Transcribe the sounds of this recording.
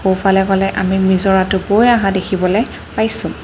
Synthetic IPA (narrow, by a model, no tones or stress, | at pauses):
xowpʰalɛkɔlɛʔamimizɔɹatʊbojaɦadekʰibɔlɛ | pajsʊ̃